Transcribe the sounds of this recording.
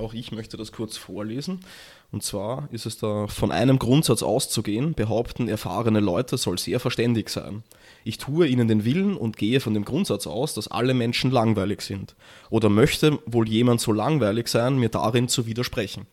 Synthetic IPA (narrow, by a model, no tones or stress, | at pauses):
ʔɑʊxɪçmœçtədaskʰʊɐt͡sfoːɐleːzn̩ | ʊntt͡sv̥aːɐɪstɛsd̥aːfɔnʔa̰ɪnəmɡʁʊntz̥at͡sʔa̰ʊst͡suɡeːənb̥əɦaʊptn̩ɛɐfa̰ːʁənəlɔʏtʰəz̥ɔlnz̥eːɐfɛɐʃtɛndɪçz̥æ̰ɪn | ʔɪçtʰuːəiːnəndeːnvɪlnʊ̰ntɡ̥eːəfɔndeːmɡ̥ʁʊntz̥at͡sʔa̰ʊsd̥asʔa̰ləmɛnʃn̩laŋvæɪlɪçz̥ɪnt | ʔoːɾɐmœçtəvoːljeːmantz̥oːlaŋvæɪlɪçz̥æɪnmiːɐda̰ʁɪnt͡suviːdɐʃpʁ̥ɛçn̩